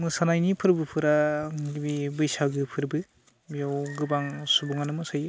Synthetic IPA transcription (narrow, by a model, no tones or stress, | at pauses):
mɯsanajnipʰɯɾbɯpʰɯɾaɡibibɯjsaɡɯpʰɯɾbɯ | bijɔwɡɯbaŋsubuŋanɯmɯsajɯ